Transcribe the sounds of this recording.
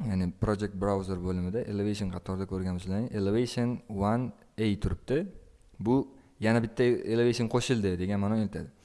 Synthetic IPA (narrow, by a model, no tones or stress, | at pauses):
janɪpɾod͡ʒek̚t̪̚bɾawzeɾbɵlɪmɪd̪aʔelˠevejʃ̬onqʰɑt̪ʰɒɾd̪akʲʰɵɾɡʲanʊslanɪʔelevejʃonwan | ejt̪ʰʊɾɪp̚t̪ɪ | bʊ | janabɪt̪ʰːaelˠevejʃonqʰoʃɪlˠd̪ɪd̪e̞ɡʲanmanoŋelʲɪt̪ʰa̰d̪ɪ